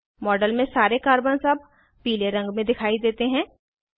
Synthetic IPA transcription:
mɔːɖəlmẽsaːɾekaːɾbənzɐb̚ʱ | piːleɾɐ̃ŋɡmẽd̪ɪkʰaːid̪eːt̪eɦɛ̃ː

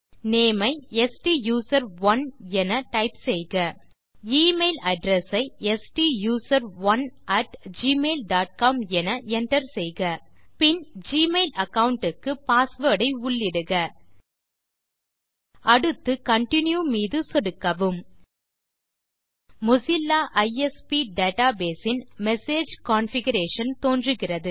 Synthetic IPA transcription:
neːmɐɪɛsʈijuːsɐɾʋɐnɛnɐʈɐɪpsɛjɣɐ | iːmeɪlɐɖɾɛsɐɪɛsʈijuːsɐɾʋɐnʔɐʈd͡ʒiːmeːlɖaːʈ̚kaːmɛnɐɛɳʈɐɾsɛjɣɐpɪnd͡ʒiːmeɪlɐkɐʋʊɳʈɯkːɯpaːsʋeːɽɐɪʊɭːɪɽɯɣɐ | ʔɐɽɯt̪ːɯkɐɳʈɪnjumiːðɯsɔɽɯkːɐʋɯm | mʊsɪlːaːʔɐjɛspiɖeːʈaːbeːsɪnmɛseːd͡ʒkaːnfɪɣɐɾeːʂɐnt̪oːndrɯɣɪrɐðɯ

